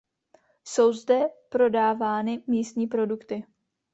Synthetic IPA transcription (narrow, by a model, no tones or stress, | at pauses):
so̞wzdɛpɾo̞daːvaːnɪmiːst̪ɲiːpɾo̞dukt̪ɪ